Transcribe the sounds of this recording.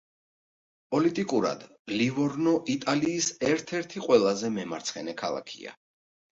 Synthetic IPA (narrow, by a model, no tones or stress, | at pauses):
pʼɔlit̪ʼikʼuɾa̰d̪̥ | livɔɾnɔʔit̪ʼaliːsɛɾt̪ʰɛɾt̪ʰiqʼwɛlˠazɛmɛmaɾt̪sʰχɛnɛkʰalˠa̰kʰḭa̰